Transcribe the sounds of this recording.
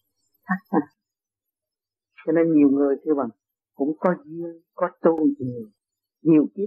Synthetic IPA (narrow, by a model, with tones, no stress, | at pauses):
tʰa˦˥k̚a˧˩ | sɛ˧ne˧ɲi˨˩əwŋɨ˨˩əjt̪ʰɨ˧va˨˩ŋ | kʊ̰˧˥ŋ͡mkɔ˨˦zi˧əŋkɔ˨˦t̪u˧˨ti˨˩˨ | ɲi˨˩ə˩wki˦˥ə